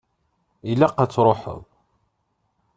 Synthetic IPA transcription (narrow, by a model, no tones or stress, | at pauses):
ilæqːat͡sːɾˤoħə̰ðˤ